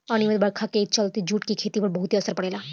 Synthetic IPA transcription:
əñiʋəd̪bɐɽkʰaket͡ʃəlt̪id͡ʒuːʈkikʰeːt̪ipəɾbəɦut̪iəsəɾpəɽeːlaː

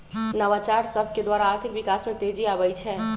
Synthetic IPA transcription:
nəʋat͡ʃaɾsəbʱked̪waɾaːɾt̪ʰikʋikasmẽt̪ed͡ʒiabɛjt͡ʃʰɛ

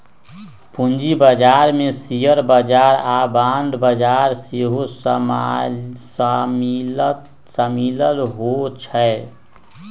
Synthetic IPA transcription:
pund͡ʒibəd͡ʒaːɾmẽsijəɾbəd͡ʒaːɾabãnd̪bəd͡ʒaːɾseɦos | s | səmiləlɦot͡ʃʰəe

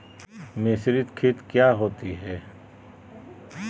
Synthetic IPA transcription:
mesɾɪt̪kʰɪt̪kjaːɦoːt̪iɦɛː

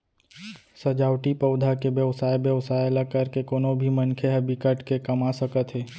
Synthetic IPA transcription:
səd͡ʒaːwʈipəʊd̪ʱakebjəʋsaːjbjəʋsaːjlakəɾkekoːnõbʱimənkʰeɦəbɪkəʈkekɐmasəkət̪ɦɛː

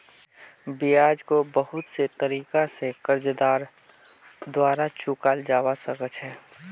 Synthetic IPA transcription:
bijaːd͡ʒkobəɦʊt̪set̪əɾiːkasekəɾd͡ʒəd̪aːɾ | d̪waːɾat͡ʃukaːld͡ʒaːwasəkət͡ʃɦɛː

